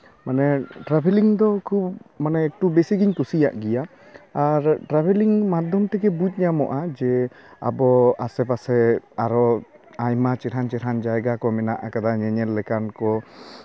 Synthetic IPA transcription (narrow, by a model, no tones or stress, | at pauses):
manɛʈɾabʱɛliŋd̪ɔkʰubmanɛɛk̚ʈubesiɡiɲkusija̰ʔɡɛjaː | ɾʈɾabʱɛliŋmad̪ʱɔmt̪ɛɡɛbut͡ʃ̚ˀɲamɔʔad͡ʒɛ | a̰bɔasɛpasɛaɾɔ | ajmat͡ʃɛɾɦant͡ʃɛɾɦand͡ʒajɡakɔmɛnaʔakad̪aɲɛɲɛlːɛkankɔ